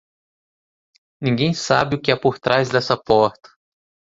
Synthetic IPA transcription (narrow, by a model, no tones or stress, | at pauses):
nĩŋɡẽj̃sabɪʊkɪɛpoɾt̪ɾʔazd̪ɛsɐpɔɾt̪ɐ̥